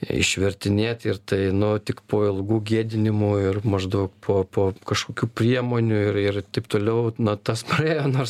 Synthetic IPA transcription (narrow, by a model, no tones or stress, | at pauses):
ɪ̰ʃʲʋʲɛrʲt̪ʲɪnʲeːt̪ɪrt̪ɐɪnʊt̪ʲɪkpoːɪlˠɡuːɡʲiɛd̪ʲɪnʲɪmuːɪrmɐʒd̪ɐʊkpʰoːpoːkɐʃkoːkʲuːpʲrʲiɛmoːnʲuːɪɾɪrt̪ɐɪpt̪oːlʲɛʊnɐt̪ɐspɐeːjoːnoːrs